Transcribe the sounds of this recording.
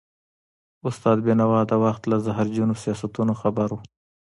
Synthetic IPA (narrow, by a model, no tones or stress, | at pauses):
ʊst̪ɑd̪̚benawɑd̪awaxt̪lazaɦaɾd͡ʒunosijɑsat̪unoxabaɾu